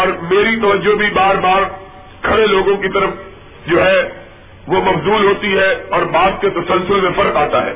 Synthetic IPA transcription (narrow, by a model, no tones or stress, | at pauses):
ɔːɾmeːɾit̪ɐʋəd͡ʒːobʱibaːɾbaːɾ | kʰɐɾeloːɡõkit̪ɐɾəf | d͡ʒoːɦɛ | ʋomɐfzuːlɦoːt̪iɦɛɔːɾbaːd̪̚ket̪ɐsɐ̃lsʊlmẽfɐɾqaːt̪aɦɛ̰ː